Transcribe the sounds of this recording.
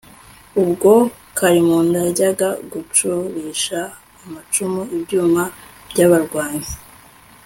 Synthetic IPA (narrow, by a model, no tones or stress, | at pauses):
ubɡo̞ | kʰaɾimundaɟaɡaɡut͡ʃuβiːʃaː | mat͡ʃumuibɟuːma | bɟaβaɾɡwaːɲi